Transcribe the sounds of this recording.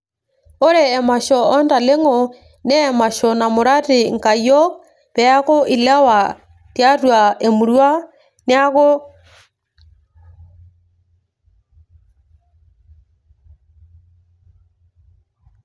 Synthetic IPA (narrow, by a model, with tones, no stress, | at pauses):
o˦ɾeː˨ma˨ʃɔ˨ɔ˦nda˨le˦ŋɔ˨ | nɛː˦ma˨ʃɔ˨na˨mo˨ɾa˦ti˨ŋ˨ka˨jɔ˦k | ðɛ˨a˦ɣo˦ʔi˨la˦wa˨ | tja˦ɾwa˨e˨mu˨ɾwa˦ | ne˦a˦ɣo˦